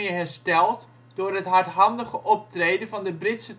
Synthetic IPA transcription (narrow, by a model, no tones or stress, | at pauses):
əɦɛrstɛlˠt | d̥ʊːrɦətɦaɹtɦɑndəɣəʔɔp̚treːdənvɑndəbrɪtsə